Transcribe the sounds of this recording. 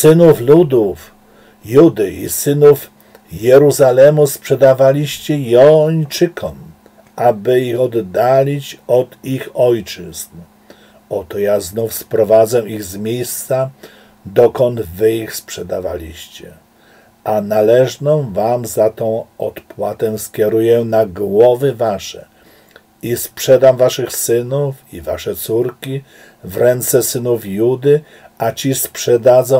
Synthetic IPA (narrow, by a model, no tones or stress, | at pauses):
sɘnuflud̪uf | jud̪ɘʔḭsɘnuf | jɛɾuzalɛmuspʂɛd̪avalʲiɕt͡ɕɛjɔɲt͡ʂɘkʰɔm | ʔabɘixɔd̪ːalʲit͡ɕɔd̪ixɔjt͡ʂɘzn | ɔt̪ɔjaznufspɾɔvad̪zɛiɣzmʲjejst̪sa | d̪ɔkɔnd̪vɘixspʂɛd̪ava̰lʲḭɕt͡ɕɛ | ʔanalɛʐnɔ̃vamzat̪ɔ̃w̃ɔt̪pwat̪ɛ̃skʲɛɾujɛnaɡwɔvɘvaʂɛ | ispʂɛd̪amvaʂɘxsɘnufiva̰ʂɛt̪suɾkʲi | vɾɛnt̪sɛsɘnufjud̪ɘ | at͡ɕispʂɛd̪ad̪zɔ̃